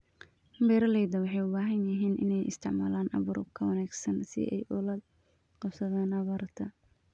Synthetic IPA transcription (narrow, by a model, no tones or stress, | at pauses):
mbɛːɾɐlɛjðɐwɑħɑjʊbaːɦɐnjɐɦiːnʔɪ̰nɛjʔɪ̰st̪ʰɪʕma̰ːlaːnʔɐβʊɾʊ̰bkʰɐwɐnaːɡsɐnsɪ̰ʔɛ̰jʔʊlɐd̪ | qɑbsɐðaːnɐβɐːrt̪ʰɐ